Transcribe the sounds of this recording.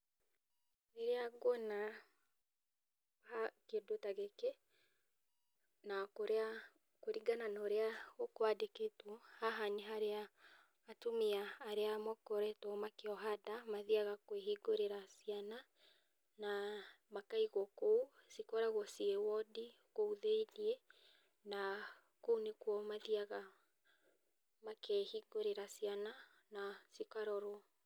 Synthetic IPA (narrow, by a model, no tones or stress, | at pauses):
eɾeaɡɔna | hakedotaɣeke | nakoɾea | koɾiɡananoɾeaɣokowadeketwɔhaɦaɲiɦaɾeaː | tomiaːɾeamɔkoɾɛtomakeɔɦadamaðiaɣakweɦiɡoɾeɾasiana | na | makaiɣɔkousikɔɾaɣwɔsiewɔdi | kouðeiniɛ | na | konekwɔmaðiaɣa | makɛhiɡoɾeɾasiana | nasikaɾɔɾw